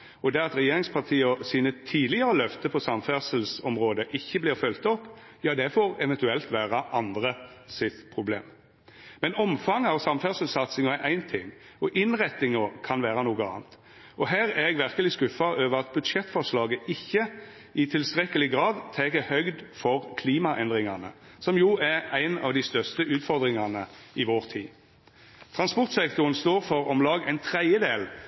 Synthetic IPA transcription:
ɔd̪ɛɑt̪ɾɛjeːɾɪŋspʰɑʁt̪ʰiːəɔsiːnət̪ʰiːd̪lɪəɾəlœft̪əpʰɔsɑmfæsəlsɔmʁoːd̪əʔɪçːəblɪːʁfœlt̪ɔpː | jɑːd̪ɛfoɾɛʋɛnt̪ʉɛlt̪ʋæːɾɑʔɑnd̪ɾəsɪt̪pʰɾʊbleːm | mɛnɔmfɑŋːəɑʋsɑmfæːsəlsɑt̪sɪŋəæʔæɪnt̪ʰɪŋː | ɔʔɪnʁɛt̪ːɪŋəkʰɑnʋæːɾɑnoːɡəɑ̰ːnt̪ | ɔɦæːɾæɛɡʋæʁkəlɪskʉfɑʔøːʋəʁɑt̪̚bʉd̪ʂɛt̪ːfɔʁʂlɑːɡəʔɪçːə | ʔɪt̪ʰɪlst̪ʁɛkːəlɪɡʁɑːd̪t̪ʰɛkəhœɡd̪fɔʁkʰliːmɑʔɛnd̪ʁɪŋɑnə̰ | sɔmjuːʔææɪnɑ̰ʋd̪ɪst̪œʁst̪əʔʉːt̪fɔʁd̪ʁɪŋɑnəɪʋoːʁt̪ʰiː | t̪ʰʁɑnspɔʁt̪sɛk̚t̪ʊʁənst̪oːʁfɔɾɔmlɑːɡæ̰ɪnt̪ʰʁæɪjəd̪eːl

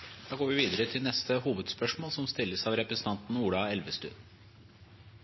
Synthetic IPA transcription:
d̪̥ɑːɡoːʋɪʋiːd̪əɾət̪ʰɪlnɛst̪ʰəhuːʋəd̪spœʂmoːlsɔmst̪ɪlːəsɑʋɾɛpɾɛsən̩ɑnt̪n̩uːɽɑɛlʋəst̪ʉ̰ːd̪

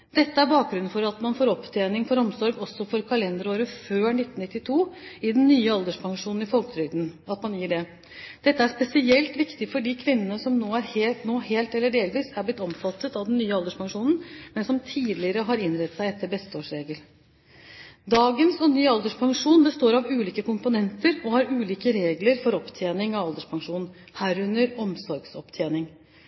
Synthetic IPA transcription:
d̪̥ɛt̪ːəæɾbɑːk̚ɡɾʉn̩fɔɾɑt̪mɑnfoːɾɔpt̪ʰeːnɪŋfɔɾɔmsɔɾɡɔsːɔfɔɾkʰɑlɛnd̪ɾoːɾəføːnɪt̪ːn̩nɪt̪ːɪt̪ʰuːɪd̪ɛnːyːəɑld̪əʂpʰɑŋʂuːnn̩ɪfɔlkt̪ʰɾʏd̪n̩ɑt̪mɑnjiːɖɛ | d̪̥ɛt̪ːəæʂpɛsɪɛlt̪ʋɪkt̪ɪfɔɖiːkʰʋɪnːənəsɔmnoːæɾhenoːheːlt̪ɛlːəɖeːlʋiːsæblɪt̪ːɔmfɑt̪ːət̪ɑʋd̪ɛnnːyːəɑld̪əʂpɑŋʂuːnn̩mɛnsɔmt̪ʰiːd̪lɪəɾəɦɑɾɪnɾɛt̪ːsæɪɛt̪ʰːəbɛst̪əoːʂɾeːɡəl | d̪ɑːɡənsɔnyːɑld̪əʂpʰɑŋʂuːnbɛst̪oːɾɑʋʉːliːkəkʊmpʊnɛnt̪əɾɔhɑɾʉːliːkəɾeːɡləɾfɔɾɔpt̪ʰjeːnɪŋɑʋɑld̪əʂpʰɑŋʂuːn | hæːɾʉnːəɾɔmsɔɾɡsɔpt̪ʰjeːnɪŋ

